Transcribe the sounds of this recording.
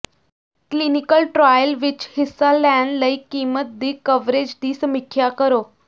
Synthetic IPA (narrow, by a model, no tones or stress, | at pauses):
klinikəlʈɾajəlʋit͡ɕhisːalænləikimət̪̚d̪iːkəʋɾed͡ʑd̪iːsəmikʰːjakəɾo